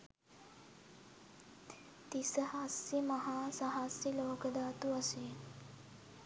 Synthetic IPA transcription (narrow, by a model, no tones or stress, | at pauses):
t̪isəhasimɐɦaːsaɦasiloːkəd̪aːt̪uɐse